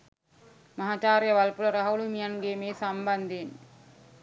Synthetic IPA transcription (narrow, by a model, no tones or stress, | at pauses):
mɐɦat͡ʃaːɾejɐʋɐlpulɐɾɐɦɐulumijɐnɡeːmeːsambɐnd̪en